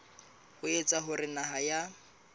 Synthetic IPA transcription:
hʊet͡sʼaɦʊrɪnaɦaja

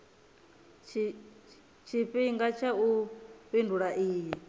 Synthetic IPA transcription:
t͡ʃʰi | t͡ʃʰiɸiŋɡat͡ʃʰaupʼindʱuɺaʔiːji

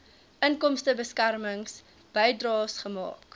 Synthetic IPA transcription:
ʔənkɔmstəbəskærməŋs | b̥ɛjdrɑːsχəmɑ̰ːk

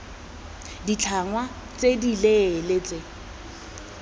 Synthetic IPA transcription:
dit͡ɬʰaŋwa | t͡sʼedileːlet͡sʼe

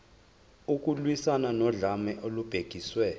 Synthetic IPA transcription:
uk̬ʼulwisananɔɮamɛʔolub̥ʱeɡ̥ʱiswɛː

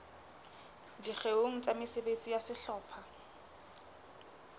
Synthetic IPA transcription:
diχeoŋ̩t͡sʼamɪsebet͡sʼijasɪɬɔːpʰa

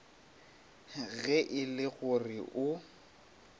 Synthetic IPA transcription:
ɣɛʔɪlɪɣʊrɪʔʊ

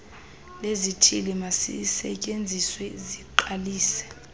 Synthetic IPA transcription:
lezitʰilimasḭsɛ̰cʼend͡zʱiswɛziǃaliːsɛ̥

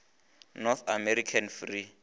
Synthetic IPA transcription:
nɔθamɛɾikʰanfri

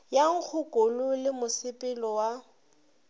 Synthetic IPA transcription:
jaŋ̩k͡xʰʊkʼolʊlɪmʊsɪpʼɪlɔwa

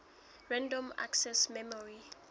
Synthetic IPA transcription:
ɹɛ̃ndɔ̃ma̰ksɛsmɛmɔɹi

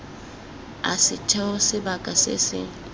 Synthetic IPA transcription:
a̰sɪtʰɛʊsɪbakʼasɪ̰sɪ̰

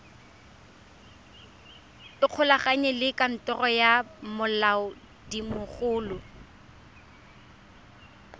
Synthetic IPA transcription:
ɪq͡χʰʊlaχaɲɛlɪkʼan̩tɔrɔjamʊlaʊ | dimʊχʊːlʊ

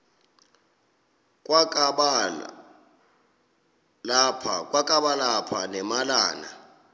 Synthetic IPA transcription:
k̬ʼwakʼɓ | lapʰa̰kʼwakʼaɓalapʰanɛmalaːna

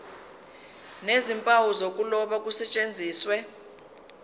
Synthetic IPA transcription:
nezimpʼawuzok̬ʼulɔɓak̬ʼusɛt͡ʃʼend͡zʱiːswɛ

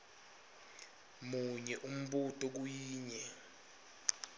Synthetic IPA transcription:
muɲɛʔum̩ɓutʼɔk̬ujiːɲɛ

